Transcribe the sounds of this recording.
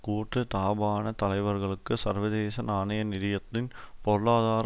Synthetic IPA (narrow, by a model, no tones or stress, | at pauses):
kuːʈːɯt̪aːbaːnɐt̪ɐlɐɪʋɐɾɣɐɭɯkːɯsɐɾʋɐðeːsɐnaːɳɐjɐnɪɾɪjɐt̪ːɪnpɔɾɯɭaːðaːɾ